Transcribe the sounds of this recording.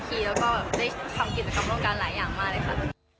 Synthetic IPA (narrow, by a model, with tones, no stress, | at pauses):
kʰiː˧lɛː˧˥kɔː˥˩bɛː˨˩de˥˩t̪ʰa˧mkʰiː˧˩t̚t͡ska˧˩mlo˥˩ŋkaː˧nlaː˨˩˦jaː˨˩ŋmaː˥˩k̚le˧jkʰa˨˩t̪̚